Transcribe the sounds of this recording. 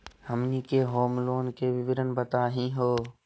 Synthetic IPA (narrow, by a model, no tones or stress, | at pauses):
həmniːkeːɦoːmloːnkeːʋɪʋɪɾənbət̪aːɦĩːɦoː